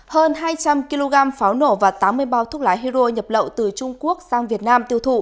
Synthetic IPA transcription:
həː˧nɦaː˧jt͡ɕa˧mki˧lo˧ɣaː˧mfaː˨˦wno˧˩vaː˨˩t̪aː˨˦mːɨ˧əjɓaː˧wt̪ʰəlaː˨˦jɦi˧zo˧ɲə˨˩p̚lə̰˧˨wt̪ɨ˨˩t͡ɕʊ˧ŋ͡mku˦˥ək̚zaː˧ŋvi˨˩ət̚naː˧mt̪i˧əwt̪ʰṵ˧˨

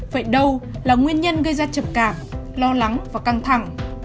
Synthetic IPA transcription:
və̰ː˧˩jɗə˧w | laː˨˩ŋwi˧ənɲə˧nɣə˧jzaː˧t͡ɕə˨˩p̚kaː˧˩mlɔ˧la˨˦ŋvaː˨˩ka˧ŋt̪ʰa˧˩ŋ

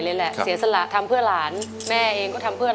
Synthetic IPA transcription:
le˧˥lɛ˨˩ʔsi˩˦sa˧la˨˩t̪ʰa˧mpʰɯ˥˩əlaː˩˦n | mɛː˥˩ʔeː˧ŋkɔː˥˩t̪ʰa˧mpʰɯ˥˩

